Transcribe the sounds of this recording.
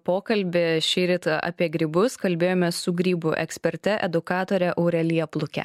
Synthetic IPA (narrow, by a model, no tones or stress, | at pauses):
poːkɐlʲbʲɪʃʲɛːɾʲɪt̪ʔɑ̰ːpʲiɛɡɾʲibʊskɐlʲbʲeːjoːmʲɛsʊɡɾʲiːbʊʔɛ̰ksʲpʲɛɾʲt̪ʲɛʔɛd̪ʊkɑːt̪oːɾʲɛʔɐʊɾʲɛlʲijɛplˠʊkʲɛ̰